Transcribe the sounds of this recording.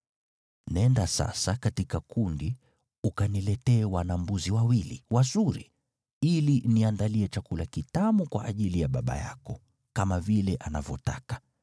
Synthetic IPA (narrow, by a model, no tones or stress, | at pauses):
nɛndasa̰sakatikakundi | ukanilɛtɛːwanambuziwawilḭwazuɾḭ | iliniandaliɛt͡ʃakulakitamukwa̰ʔːʄilijaɓaɓa̰ja̰kɔ | kamavilɛʔanavjɔ̰ta̰kḁ